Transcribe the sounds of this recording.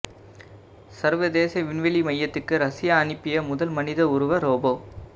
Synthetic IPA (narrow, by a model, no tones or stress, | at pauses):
sɐɾʋɐd̪eːsɐʋɪnʋɐlimɐjːɐt̪ːɯkːɯɾɐsɪjaːnɪpːɪjɐmʊðɐlmɐnɪðɐʊɾʊʋɐɾoːboː